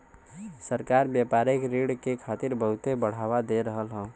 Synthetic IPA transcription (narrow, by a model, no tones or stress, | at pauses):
səɾkaːɾbjapaːɾɪkɾiɽkekʰaːt̪ɪɾbəɦʊt̪ebəɽ̤awad̪eɾəɦəlɦɔ̃